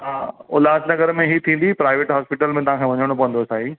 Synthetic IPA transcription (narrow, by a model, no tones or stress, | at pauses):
ɦaːʊ̰laːsnɐɡəɾmẽɦit̪ʰĩːn̆d̪ipɾaːɪʋeːʈɦaːspɪʈəlmẽt̪ɐʋɦãkʰeʋɐɲəɽ̃opɐʋə̃nd̪osaːɦi